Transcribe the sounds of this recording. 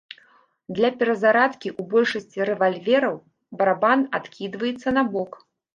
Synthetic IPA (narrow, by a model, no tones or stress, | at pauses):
d̪lʲɐpʲɛɾɐzaɾat̪kʲiʔubɔlʲʂɐsʲt͡sʲiɾɛvalʲvʲɛɾɐw | bɐɾabanat̪kʲid̪vɐjɛt̪sːɐnabɔk